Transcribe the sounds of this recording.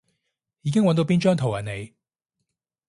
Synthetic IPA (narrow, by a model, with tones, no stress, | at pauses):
jiː˨˧kɪ˥ŋwɐ˧nt̪o˧wpiː˥nt͡ʃœː˥ŋt̪ʰo˨˩wjɐ˨˩ne˨˧j